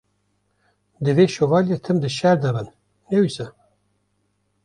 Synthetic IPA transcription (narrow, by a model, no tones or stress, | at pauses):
d̪ɨveːʃovɑːljet̪ʰɨmd̪ɨʃɛɾd̪ɐbɨn | nɛwisɨ